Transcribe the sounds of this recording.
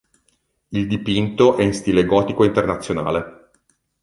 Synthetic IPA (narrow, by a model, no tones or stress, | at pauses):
ild̪ipint̪oʔɛinst̪ileɡɔːt̪ikoint̪ernat̪sːjona̰ːle